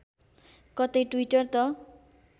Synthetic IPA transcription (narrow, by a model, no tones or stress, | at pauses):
kʌt̪ʌjʈwiʈʌrt̪ʌ